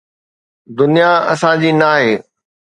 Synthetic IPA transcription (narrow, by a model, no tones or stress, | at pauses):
d̪ʊnijaɐ̰sãd͡ʑiːnaːɦeː